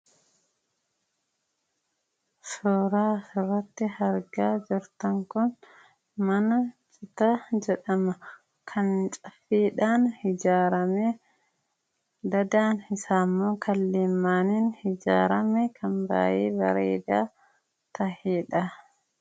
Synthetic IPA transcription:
suːɾaːsʊrːɐt̪ːɪhɐɾɡaːd͡ʒɪɾt̪ɐŋkʊn | mɐnɐt͡ʃʼɪt̪ad͡ʒɛᶑɐmɐ | kʰɐnt͡ʃʼɐfiːᶑaːnhɪd͡ʒaːɾɐmeː | d̪ɐd̪aːnhɪsaːmːoːkʰɐlːeːmːaːniːnhɪd͡ʒa̰ːɾɐmɛkʰɐmba̰ːjeːbɐɾḛːd̪aː | t̪ɐheːᶑɐ

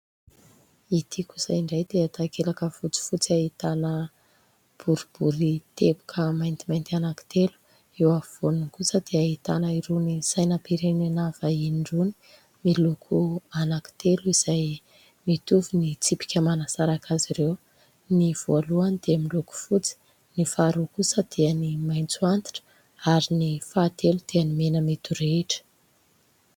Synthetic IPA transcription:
it̪ʰikusa̰iɳɖ͡ʐajd̪eat̪akelakəfut͡si̥fut͡siaɦit̪anə | b̥uɾib̥uɾit̪epu̥kʰəmajnt̪imajnt̪ianaki̥t̪elu̥ | ewavoniŋkusəd̪̥eaɦit̪anəiɾunisajnapiɾeninav̥ainɳɖ͡ʐuni̥ | milukʰuanaki̥t̪eluiz̥aj | mit̪uvunit͡sipi̥kʲəmanasaɾakʰaziɾew | niv̥oluanid̪̥eamiluku̥fut͡si̥ | nifaɾukusəd̪̥eənimajnt͡suant̪i̥ʈ͡ʂə̥ | aɾinifaːt̪elud̪̥eənimenəmet̪uɾeʈ͡ʂə̥

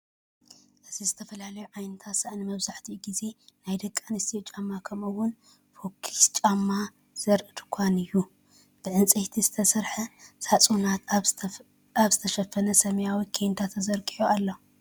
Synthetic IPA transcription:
ʔɨzizɨt̪ʰɐfɐlalɐjuʕajnɨt̪ʰat̪sɐʔnimɐβzaħt̪ʰiɡize̞najd̪ɐkʼːanɨst̪ʰit͡ʃʼamːakʰɐmɨwʊn | fokʰːi̥st͡ʃʼamːa | z̥ɐɾʔɨd̪kʷʰanɨjːu | b̥ɨʕɨnt͡sʼiht̪ʰizɨt̪ʰɐsɐɾħɐsat͡sʼunat̪ | aβzɨt̪ʰɐʃɐfɐnɐsɐmɐjawikʰejnt̪ʰat̪ʰːɐzɐɾkʼiʕoalːo

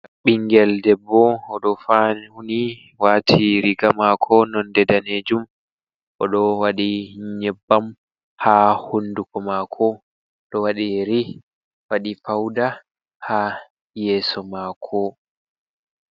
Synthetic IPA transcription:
ɓiŋɡɛldɛbːɔːɗɔfanhuni | waːtʰiɾiɡamakʰɔnɔndɛdaned͡ʒum | ʔɔɗɔwaɗiɲɲɛbːam | haːhundukɔmakʰɔ | ɗɔwaɗiɾi | waɗifawda | ha | jɛːsɔmakʰɔ

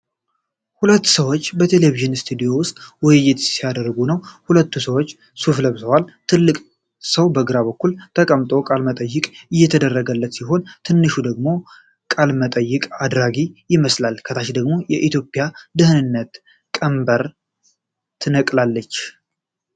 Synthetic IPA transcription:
hulət̪ːsəwot͡ʃːbət̪ʰe̞le̞viʒɨnst̪ʰud̪ijo̞wʊst̪ʼwɔjɪjːɪt̪sijad̪əɾɡunəwhulət̪ːusəwot͡ʃː | sufləβt̪ʰəwalt̪ʰɨlːɨkʼ | səwbəɡɨɾaβəkːult̪ʰəkʼəmt̪ʼo̞kʼalmət̪ʼəjːɨkʼɨjːɛt̪ʰəd̪ərːəɡəlːət̪siɦo̞nt̪ʰɨnːɨʃud̪əɡmo̞ | kʼalmət̪ʼəjːɪkʼad̪ɾaɡijɪməslalkʰət̪ʰaʃd̪əɡmo̞jɛʔit̪ʰjo̞pʼːɪjad̪ɨhɨnɨnːət̪ | kʼəmbəɾ | t̪ʰɨnəkʼlalːət͡ʃː

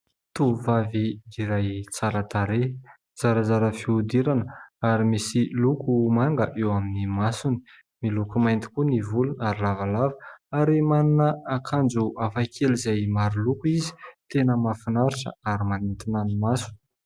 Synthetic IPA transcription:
t̪uvaviiɾajt͡saɾət̪aɾe | z̥aɾəzaɾəfiud̪iɾanəaɾimisilukumaŋɡəʔewaminimasuni̥ | milukumajnt̪i̥kunivulunaɾilavalavəaɾimaninəakʰand͡zuafakʰelizajmaɾulukuizi̥t̪enəmafinaɾiʈ͡ʂə̰aɾimanint̪inanimasu̥

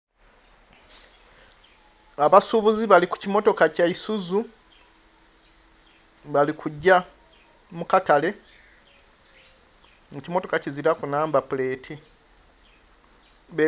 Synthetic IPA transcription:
aβasuβuziβaliku̥cimo̞to̞kacaisuzu | βalikʰuɟːa | mukatale̞ | ŋucimo̞to̞kaciziɾakunaːmbapule̞ːtʰi | βe

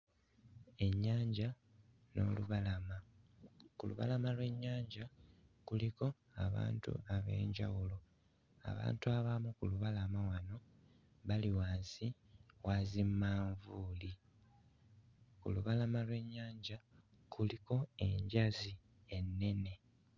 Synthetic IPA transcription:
e̞ɲːaːɲɟa | no̞̰ːluβalama | kulṵβa̰lamalwe̞ɲːaːɲɟakuliko̞ | aβa̰ːntṵaβe̞̰ːɲɟa̰wulo̞ | a̰βa̰ːntuaβamukuluβalamawano̞ | βaliwaːnzi | waːzimmaːɱvuːli | kṵluβalamalwe̞ɲːaːɲɟa | kʰuliko̞e̞ɲɟazi | e̞nːe̞ne̞

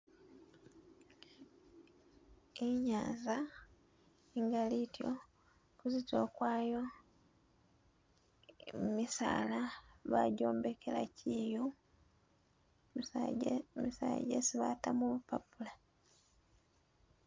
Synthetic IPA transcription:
eɲaːza | iŋɡalitjo̰ | kuzito̞ːkwaːjo̞ | misa̰ːlaβa̰ɟo̞ːmbekela̰ciju | misa̰ːɟḛsiβatamuβupapula

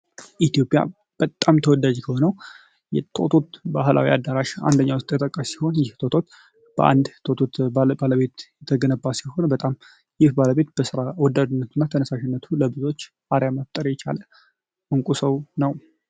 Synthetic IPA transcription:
ʔit̪jo̞pʼːja̰ | b̥ət̪ʼːamt̪ʰəwɔd̪ːad͡ʒkʰəho̞nəw | jɛt̪ʰo̰t̪ʰo̞t̪bahlʔa̰wiad̪ːaɾaʃa̰nd̪əɲːawʊst̪ʼjɛt̪ʼəkʼːəsi̥ho̞njɪht̪ʰot̪ʰo̞t̪ | b̥əʔa̰nd̪t̪ʰot̪ʰo̞t̪baləβe̞t̪jɛt̪ʰːəɡənəbːasiho̞nbət̪ʼam | jɪhbaləβe̞t̪b̥əsɨɾawɔd̪ad̪ɨnːət̪ʰɨnːat̪ʰənəsaʃɪnːət̪ʰuləbɨzo̞t͡ʃː | aɾjaməft̪ʼəɾjɛt͡ʃa̰lə | ʔɨŋkʷʼusəwnəw

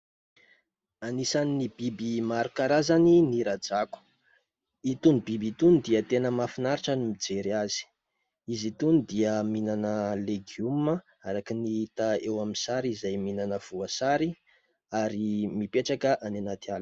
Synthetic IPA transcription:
anisaninibibimaɾukaɾazaniniɾad͡zaku̥ | it̪unibibit̪unid̪iət̪enəmafinaɾiʈ͡ʂanimid͡zeɾiazi̥ | izit̪unid̪iəminanəleɡiumə | aɾakiniit̪aewaminsaɾizajminanəv̥uasaɾi | aɾimipeʈ͡ʂakəʔanenat̪ial

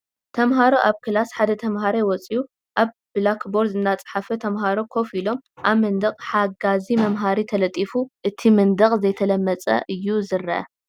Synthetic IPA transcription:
t̪ʰɐmɦaɾoʔaβkʰɨlasħad̪ɐt̪ʰɐmɦaɾejwɔt͡sʼiu | ʔaβ | blakbo̞ɾzɨnːat͡sʼħafɐt̪ʰɐmhaɾokʰo̞filo̞mʔaβmɨnd̪ɐqʼħaɡazimɐmɦaɾit̪ʰɐlɐt̪ʼifuʔɨt̪ʰimɨnd̪ɐχʼzɐjt̪ʰɐlɐmːɐt͡sʼɐ̰ʔɨjːuzɨɾɐʔɐ̰

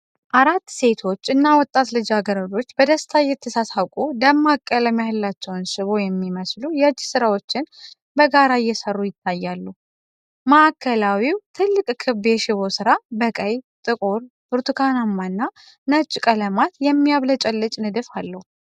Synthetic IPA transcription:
ʔaɾat̪ːse̞t̪ʰo̞t͡ʃːɨnːawɔt̪ʼːat̪lɨd͡ʒaɡəɾəd͡ʒo̞t͡ʃːbəd̪əst̪ʰajɛt̪ʰːəsasawkʼud̪əmːakʼːələmjahɨlːat͡ʃːɛwnʃɪβo̞jɛmːiməslujɛd͡ʒːɪsɨɾawo̞t͡ʃːɪn | bəɡaɾajːɛsərːujɪt̪ʰːajːalːuhu | maʔːkːəlawiwt̪ʰɨlːɨkʼkʰɨbjɛʃɪβo̞sɨɾabəkʼəjt̪ʼɨkʼoɾ | b̥ɨɾt̪ɨkʰanamːanːa | nət͡ʃʼːkʼələmat̪jɛmːiaβlət͡ʃʼɛlːɨt͡ʃʼnɨd̪ɨfalːəhu

